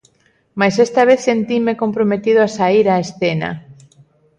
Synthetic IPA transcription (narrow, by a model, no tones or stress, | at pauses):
majsest̪aβ̞eθsent̪imekompɾomet̪ið̞ʊasaiɾaesθena̰